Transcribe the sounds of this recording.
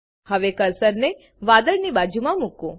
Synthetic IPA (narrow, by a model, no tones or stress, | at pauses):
həʋekəɾsəɾne | ʋad̪əɽnibad͡ʒumãmukũ